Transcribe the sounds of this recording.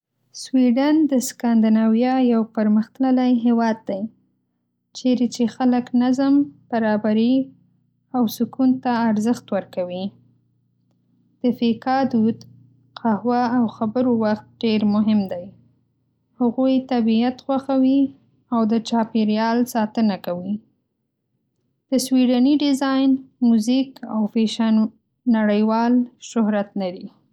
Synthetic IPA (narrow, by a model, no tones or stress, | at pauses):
swiɖand̪əskand̪ɪnɑwjɑjawpəɾməxt̪nalajɦewɑd̪̚ːaj | t͡ʃeɾet͡ʃexaləknazəmb̥aɾɑbaɾi | awsʊkunt̪aːɾzəxt̪wəɾkawi | d̪̥əfekɑd̪ud̪ | qʰahwaːwxabəɾowaxt̪̚ɖeɾmʊɦɪmd̪aj | haɣujt̪abiat̪xwaxawi | awd̪ət͡ʃɑpeɾjɑlsɑt̪ənakawi | d̪̥əswiɖaniɖɪzɑjnmuzikawfeʃan | naɽəjwɑlʃʊhɾat̪nad̪i